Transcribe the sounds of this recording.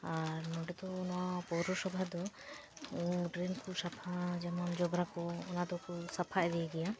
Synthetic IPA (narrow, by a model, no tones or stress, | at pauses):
aɾmɔɖɛt̪ɔnɔwapɔɾɔsɔbʱad̪ɔ | ɖɾemkɔsapʰad͡ʒamamd͡ʒɔbɾakɔːnad̪ɔkɔsapʰaʔɛd̪ɛɛɡɛja